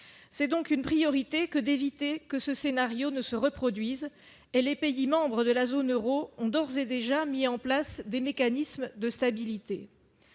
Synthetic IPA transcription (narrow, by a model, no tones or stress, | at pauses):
sɛd̪ɔ̃kynpχijɔʁit̪ekəd̪evit̪ekəsəsenaʁjonəsəʁəpχɔd̪ɥiz | elepeimɑ̃bʁəd̪əlazonøʁoɔ̃d̪ɔʁzed̪eʒamiɑ̃plasd̪emekanismd̪əst̪abilit̪e